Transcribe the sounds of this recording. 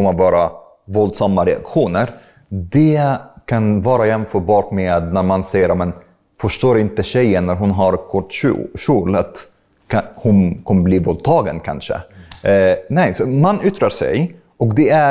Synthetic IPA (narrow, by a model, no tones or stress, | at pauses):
kɔmːəvɑːɾa | vɔld̪samːaɾɛa̰kɧuːnəɾ | d̪ɛkʰanvɑːɾajɛmfœːɾbɑːʈmeːd̪næɾmansɛjːəɾaːmɛn | fœʂʈoːɾɪnt̪əɕɛjːənːæɾɦʊnɦaɾkʰɔʈːʂuːlat̪ | hʊnkʰɔmːəbliːvɔld̪̚t̪ʰɑːɡənkʰa̰nʂə̰ | nɛjsɔmanːʏt̪ːɾaɾʂɛ̰j | ʔɔkd̪ɛæ